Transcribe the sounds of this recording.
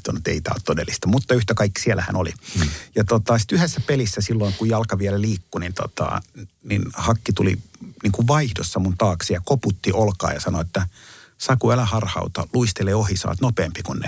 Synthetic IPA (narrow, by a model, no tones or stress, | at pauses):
t̪onːut̪ḛit̪æ̰ːo̰t̪t̪odelːist̪ɑmut̪ːɑyht̪ækɑikːi̥siælæhæ̰nolḭjɑt̪ot̪ɑsi̥t̪yhesːæpelisːæsilːoiŋkujɑlkɑʋiɛlæliːkːunint̪o̰t̪ɑ̰nḭnhɑkːit̪ulḭniːŋkuʋʋɑihdo̰sːɑmunt̪ɑːksijɑkoput̪ːiʔolkɑ̰ːjɑsɑnoet̪ːæsɑkuælæhɑrhɑ̰ut̪ɑ̰luist̪eleːohisɑ̰ːt̪nopeːmpikunnḛ